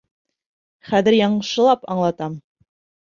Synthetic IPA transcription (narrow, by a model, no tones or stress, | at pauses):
χæðɘ̆ɾjɑɴɤ̆ʃɤ̆lˠɑpɑ̰ɴlˠɑt̪ɑm